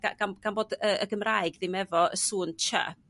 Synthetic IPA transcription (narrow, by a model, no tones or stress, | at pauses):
ɡ̥a̰ɡ̥anɡ̥anboːdəəɡəmraːɨɡðɪmɛvɔə̰suːnt͡ʃʰɛ̰p̚